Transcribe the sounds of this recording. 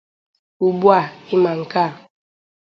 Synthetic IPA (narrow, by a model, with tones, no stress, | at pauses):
u˨bwa˦˨i˦ma˨ŋ̩˨ka˦˨